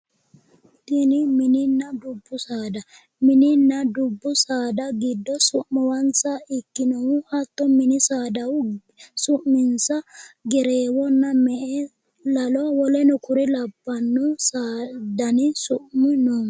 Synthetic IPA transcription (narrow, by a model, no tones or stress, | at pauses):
t̪ːɪnɪmɪnɪnːɐd̪ʊbːʊsaːd̪ɐ | mɪnɪnːɐd̪ʊbːʊsaːd̪ɐɡɪd̪ːɔsʊʔmɔwɐnt͡sɐɪkːɪnɔwʊhɐt̪ːɔmɪnɪsaːd̪ɐw | sʊʔmɪnsɐɡɛɾeːwɔnːɐmɛʔɛ | lɐlɔwɔlɛnʊkʊɾɛlɐbːɐnːʊsaːd̪ɐnɪsʊʔmɪnɔ